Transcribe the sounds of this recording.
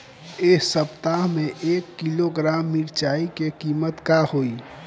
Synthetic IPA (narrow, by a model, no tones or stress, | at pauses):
eːsəpt̪aɦmẽʔeːkːiloɡɾaːmːiɾt͡ʃaːikekiːmət̪kahoːi